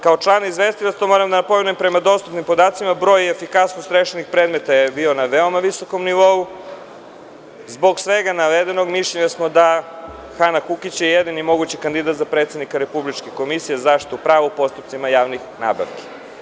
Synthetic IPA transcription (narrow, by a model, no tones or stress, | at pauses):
kao̞t͡ʃlˠanizʋe̞st̪ilat̪st̪omo̞ːɾamd̪anapo̞menuempɾe̞mad̪o̞st̪upnimpo̞d̪aːt̪simabɾo̞jefikasnost̪ɾeʃenixpɾed̪me̞t̪ajebio̞naʋeo̞maʋiso̞ko̞mniʋo̞u | zbo̞ɡsʋeɡanaʋed̪eno̞ɡmiʃʎeɲasmo̞d̪a | xanakukit͡ɕjejed̪inimo̞ɡut͡ɕikand̪id̪at̪zapɾet̪sed̪nikaɾe̞publit͡ʃkeko̞misijezaʃit̪oupɾaːʋoupo̞st̪up̚t̪simajaːʋnixna̰ːba̰ʋke̥